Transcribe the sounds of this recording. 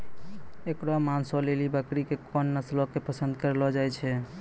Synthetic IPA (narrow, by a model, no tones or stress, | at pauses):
ekɾamansɔlelibəkɾikekʰɔnːəslɔkepəsənd̪̚kəɾlɔd͡ʒajt͡ʃʰɛ